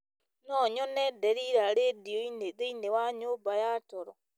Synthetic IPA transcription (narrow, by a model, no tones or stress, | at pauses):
nɔɲɔnɛdeɾiɾaɾedioineðeinewaɲoːbajatɔɾɔ